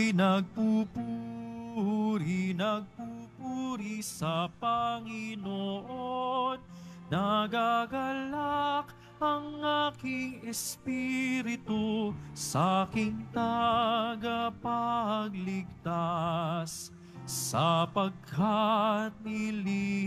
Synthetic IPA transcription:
nɐɡ̚pupu | ɾinɐɡ̚pupuɾisɐpɐŋinoʔonː | ɐɡaɡɐlak | ɐŋaːkɪŋɛspiɾɪt̪osakɪŋt̪aɡapaɡlɪɡ̚t̪asː | ɐpɐɡ̚kʰat̪̚nɪli

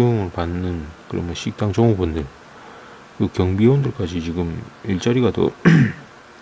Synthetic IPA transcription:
oŋɯɭpanːɯnkɯɾʌ̰mʌɕʰik̚t͈aŋt͡ɕoŋubundɯɭ | kɯkjʌŋbiondɯɭk͈ad͡ʑit͡ɕiɡɯmiɭt͡ɕ͈aɾiɡato̰

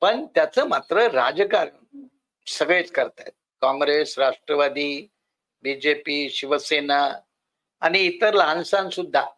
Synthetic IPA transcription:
pəɳt̪jat͡səmat̪ɾəɾad͡zkaɾ | səɡɭet͡skəɾt̪at̪̚kɔ̃ŋɡɾesɾaʂʈɾəʋad̪iː | bid͡ʑepiːɕiʋəsena | añiːt̪əɾlãnsãnsud̪ʱːa

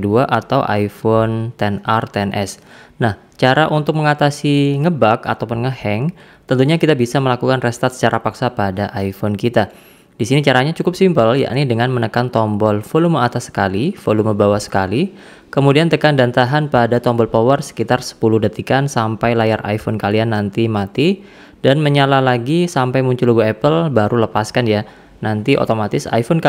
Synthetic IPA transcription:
duaʔat̪awʔa̰jfont̪ɛnart̪ɛnʔɛ̰snah | t͡ʃaɾaʔunt̪ʊk̚məŋat̪asiŋəbaka̰t̪awpunŋəhɛŋ | t̪ənt̪uɲakit̪abisaməlakukanrɛst̪at̪̚sə̥t͡ʃaɾʔapaksapadaʔajfonkit̪a | d̥isinit͡ʃaɾaɲat͡ʃukʊp̚simpəlja̰ʔnidəŋanmənəkant̪ɔmbɔlfolumoat̪asə̥ka̰lifoluməbawahsə̥kali | kəmudiant̪əkandant̪aɦanpadat̪ɔmbɔlpowərsə̥kit̪arsə̥puluhdət̪ikansampajlajarʔa̰jfɔnkalianːant̪imat̪i | danməɲalalaɡisampajmuɲt͡ʃuluɡuɛpəlbaɾuləpaskanja | nant̪iʔo̰t̪omat̪ɪsa̰jfɔnka

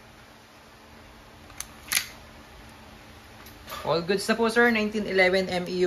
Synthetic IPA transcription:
ʔɔlɡʊd̪sɐposɛɹnãjnt̪ĩnɪlɛvɛ̃nʔɛmi

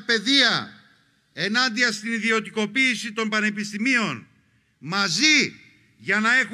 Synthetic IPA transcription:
pe̞ðiɐ | e̞nɐnd̪iɐst̪iniðio̞t̪iko̞piːsit̪o̞mbɐne̞pist̪imio̞n | mɐzi | ʝɐnɐe̞x

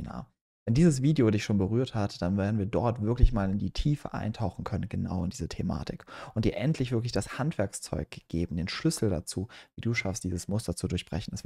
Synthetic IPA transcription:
na̰ː | vɛndiːzəsv̥iːdeodɪçʃoːnbəʁyːɐthatd̥anveːɐdn̩viːɐdɔɐtv̥ɪɐklɪçmaːlɪndiːtʰiːfə̰ʔa̰ɪntʰaʊxn̩kʰœnənɡəna̰ʊɪndiːzətʰema̰ːtʰɪkʔʊntd̥iːɐʔɛntʰlɪçv̥ɪɐk̬lɪçd̥ashantv̥ɛɐkst͡sɔ̰ʏk̚ɡ̥eːbm̩deːnʃlʏsl̩da̰t͡suːviːduːʃafstd̥iːzəsmʊstɐt͡sudʊɐçb̥ʁɛ̰çn̩ɛsv

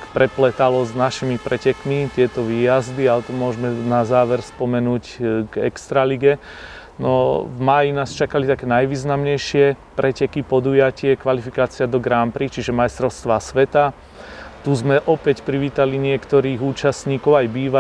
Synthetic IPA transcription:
kpɾɛplɛt̪alɔznaʃimipɾɛcɛkmit̪ɪɛt̪ɔʋiːjazd̪ialɛt̪ɔmʊɔʒmɛnazaːʋɛɾspɔmɛnuːcɡɛ̰kst̪ɾaliɡɛ | nɔvmaːjinaːst͡ʃakalit̪akɛːnajʋiːznamɲɛjʃɪɛpɾɛcɛkipɔd̪uːjacɪɛkʋalifikaːt͡sɪad̪ɔɡɾampɾit͡ʃiʒɛmajst̪ɾɔʊst̪ʋasʋɛt̪a | t̪uzmɛʔɔpɛcpɾiʋiːt̪aliɲɪɛkt̪ɔɾiːɣuːt͡ʃasɲiːkɔʊajbiːʋa

